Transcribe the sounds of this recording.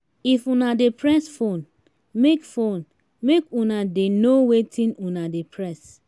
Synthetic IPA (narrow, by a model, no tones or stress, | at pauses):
ifũnadepɹɛsfon | mekfõn | mekũnadenowetʰĩnũnadepʰɹɛs